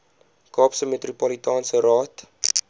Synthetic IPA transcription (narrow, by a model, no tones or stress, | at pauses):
kɑːpsəmet̪ropɔlitɑːnsərɑːt